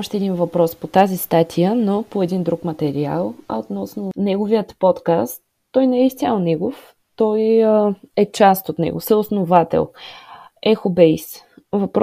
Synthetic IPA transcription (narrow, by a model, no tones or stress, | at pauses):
ɔʃt̪ɛːd̪invɐpɾɔspot̪azist̪at̪ʰijənopoɛd̪ind̪ɾukmɐt̪ɛɾia̰lˠɐ̰ot̪nɔsnonɛɡovijət̪pɔt̪kast̪ːɔjnɛɛist̪ʲialˠnɛɡof | t̪ɔj | ɛt͡ʃast̪ot̪nɛ̰ɡo̰sɛosnovat̪ɛ̰lˠ | ɛxobɛjsvɐpɾ